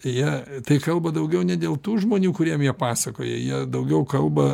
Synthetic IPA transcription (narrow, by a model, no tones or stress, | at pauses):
jiɛt̪ɐɪkɐlˠbɐd̪ɐʊɡʲɛʊnʲɛd̪ʲeːlˠt̪uːʒmoːnʲuːkʊɾʲiɛmjiɛpɑːsɐkoːjɛ̰jiɛd̪ɐʊɡʲɛʊkɐlˠbɐ